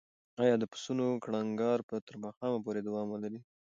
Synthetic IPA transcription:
ɑjɑd̪əpə̥sunokɽaŋɡɑɾpət̪əɾmɑxɑmapoɾed̪awɑmwəlaɾi

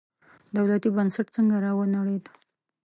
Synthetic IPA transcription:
d̪awlat̪ibənsaʈt͡səŋɡaɾɑwənaɽed̪

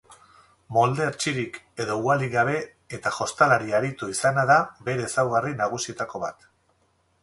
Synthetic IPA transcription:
mo̞ld̪e̞eɾt͡ʃiɾik | e̞ðo̞ualiɣaβ̞e̞ | et̪aʝo̞st̪alaɾiaɾit̪uisanaðaβe̞ɾe̞ːsawɣarinaɣ̞usie̞t̪ako̞βa̰t̪

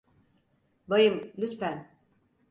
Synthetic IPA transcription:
bajɯmlʲyt̪fæn

